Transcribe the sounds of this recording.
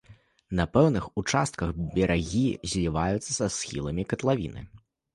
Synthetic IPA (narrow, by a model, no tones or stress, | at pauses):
nɐpɛwnɨxut͡ʂast̪̚kɐxbʲɛɾaɣʲizʲlʲivajut̪sːɐsasxʲḭlˠɐmʲikɐt̪lˠavʲḭnɨ̰